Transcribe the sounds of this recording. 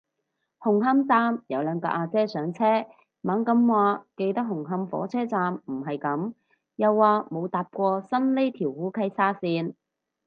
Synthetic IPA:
hʊ˨˩ŋɦɐ˥mt͡saː˧mjɐ˨˧wlœː˨˧ŋkɔ̰ː˧ʔaː˧t͡sɛː˥sœː˨˥ŋt͡sʰɛː˥ | maː˨˥ŋkɐ˨˧˥mwaː˨˧ke˧jt̪ɐ˥k̚ɦʊ˨˩ŋɦɐ˧˥mfɔ̰ː˨˥t͡sʰɛː˥t͡saː˧mm̩˨˩ɦɐ˨jkɐ˨˧˥m | jɐ˨˧wːaː˨˧mo˨˧wt̪aː˨p̚kʷɔː˧sɐ˥nle˥t̪ʰiː˨˩whuː˨˥kʰɐ˥jsaː˥siː˧n

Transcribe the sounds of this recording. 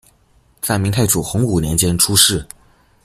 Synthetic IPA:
t͡sa˥˩ɪmi˧˥ŋt̪ʰa˥˩ɪʈ͡ʂu˨˩xʊ˧˥ŋu˨˩njɛ˧˥nt͡ɕjɛ˥nʈ͡ʂʰu˥ʂɻ̩˥˩

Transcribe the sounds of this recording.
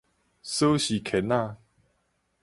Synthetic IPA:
sə˦ɕi˨˩kʰɛ˨˦nã˥˧

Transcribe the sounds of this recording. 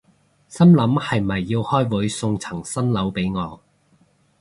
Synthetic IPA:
sɐ˥mlɐ˨˥mhɐ˨jmɐ˨jːiː˧whɔː˥jwuː˨˥jsʊ˧ŋt͡sʰɐ˨˩ŋsɐ˥nlɐ˨˥wpe˨˥jŋɔː˨˧

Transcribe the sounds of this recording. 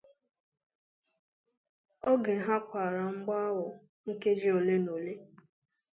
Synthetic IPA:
o˦ɡe˨ɦa˦kʷa˨ɾa˨ŋ͡m̩˦ɡ͡ba˦wʊ˨ | ŋ̩˦ke˦d͡ʒi˦o˨le˦no˨le˦

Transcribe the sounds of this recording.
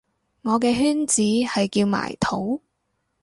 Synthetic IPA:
ŋɔː˨˧k̬ɛː˧ɦyː˥nt͡siː˨˥hɐ˨jkiː˧wma̰ː˨˩jt̪ʰo˨˥w

